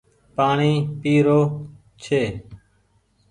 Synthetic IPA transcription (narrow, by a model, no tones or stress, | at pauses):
paːɳiːpiːɾoː | t͡ʃʰeː